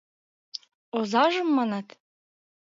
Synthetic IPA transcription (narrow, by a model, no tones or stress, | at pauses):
ozɑʒɤ̆mːɑnɑt̪